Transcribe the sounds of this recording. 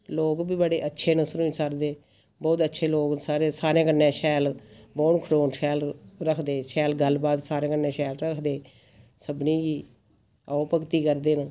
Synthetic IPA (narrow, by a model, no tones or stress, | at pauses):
loːkbiːbəɽeːʔətːʃʰeːnəsɾuĩsəɾd̪eː | bɔːt̪ətːʃʰeːloːksaːɾeːsaːɾẽːkənːɛ̃ːʃɛːlboːɳkʰəɾoːnʃɛːlɾəkʰd̪eːʃɛːlɡəlbaːt̪saːɾẽːkənːẽːʃɛːlɾəkʰd̪eː | səbniːɡiː | aopəkt̪iːkəɾd̪eːnə